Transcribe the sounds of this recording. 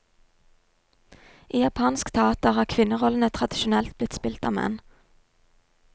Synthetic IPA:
ʔiːjɑpʰɑːnskt̪ʰɛɑːt̪əʁhɑːʁkʰʋɪnəʁɔln̩ət̪ʰʁɑd̪ɪʃʊnɛlt̪̚b̥lɪt̪spɪlt̪ɑ̰ːmɛ̰n

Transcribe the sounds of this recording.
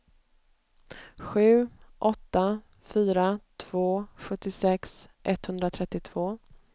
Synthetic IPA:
ɧʉ̟ːʔɔt̪ːa | fyːɾat̪ʰv̥oːɧɵt̪ːɪsɛksʔɛt̪hɵnd̪ɾat̪ʰɾɛt̪ːɪt̪ʰv̥oː

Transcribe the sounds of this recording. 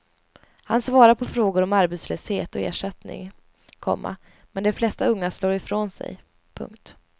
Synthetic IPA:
hansvɑːɾaɾpʰɔfɾoːɡʊɾɔmaɾbɛt̪sløːshḛːt̪ɔḛːʂɛt̪nɪ̰ŋ | kʰɔ̰mːa̰ | mɛnd̪ɛflɛst̪aɵŋːasloːɾɪfɾoːnsɛ̰j | pʰɵ̰ŋkt̪

